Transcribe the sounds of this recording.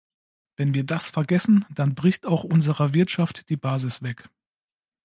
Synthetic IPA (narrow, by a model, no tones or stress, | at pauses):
vɛnviːɐdasfɛɐɡɛsn̩d̥anbʁɪçtaʊxʔʊnzəʁɐvɪɐtʃaftd̥iːbaːzɪsv̥ɛk